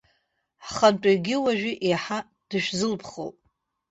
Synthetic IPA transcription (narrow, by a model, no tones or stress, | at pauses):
χantʼaɡʲɪwaʒᶣɪʔeħa | d̥ɨʃʷᶣzɨlpʰχo̰wpʼ